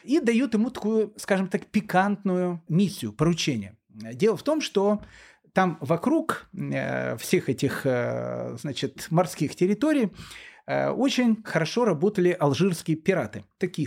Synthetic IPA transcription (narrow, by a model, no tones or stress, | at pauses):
id̪ɐjut̪jɪmut̪ɐkujʊskaʐɨmt̪akpʲɪkant̪nʊjʊmʲisʲːɪjʊpəɾʊt͡ɕenʲɪ̰jə | dʲe̞lˠəft̪o̞mʂt̪o | t̪amvɐkɾuk | fsʲe̞xɛtʲɪx | znat͡ɕɪt̪mɐrskʲixtʲɪɾʲɪt̪oɾʲɪj | o̞t͡ɕɪnʲxəɾɐʂo̞ɾɐbo̞t̪əlʲɪʔɐlˠʐɨrskʲɪjəpʲɪɾat̪ɨt̪ɐkʲi